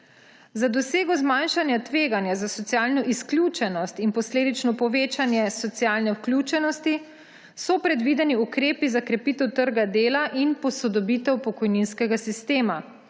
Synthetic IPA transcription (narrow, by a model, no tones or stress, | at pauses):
zad̪ɔseːɡɔzmanʃanjat̪ʋeːɡanjazasɔt̪sjaːlnɔʔisklʲjut͡ʃɛnɔst̪inpɔsleːd̪it͡ʃnɔpɔʋeːt͡ʃanjɛsɔt̪sjalnɛwklʲut͡ʃɛnɔst̪i | sɔpɾɛd̪ʋid̪ɛniukɾeːpizakɾɛpit̪ɛwt̪əɾɡad̪eːlaʔinpɔsɔd̪ɔbit̪ɛwpɔkɔjninskɛɡasist̪eːma